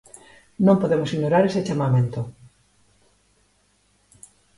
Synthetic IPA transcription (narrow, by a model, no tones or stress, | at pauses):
nõmpoðemʊsiɲoɾaɾeset͡ʃamamẽnt̪o